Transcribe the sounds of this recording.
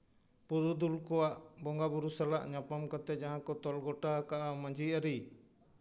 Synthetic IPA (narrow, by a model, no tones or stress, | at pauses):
puɾud̪ulkɔwaʔbɔŋɡabuɾusalaʔɲapamkat̪ɛd͡ʒaɦãkɔt̪ɔlɡɔʈakaʔamaɲd͡ʒiaɾi